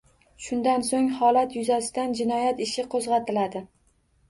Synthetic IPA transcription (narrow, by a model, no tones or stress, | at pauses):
ʃʊnd̪ansoŋhɒlat̪jʊzasɪd̪and͡ʒɪnɒjat̪ɪʃɪqʰozʁɑt̪ʰɪlad̪ɪ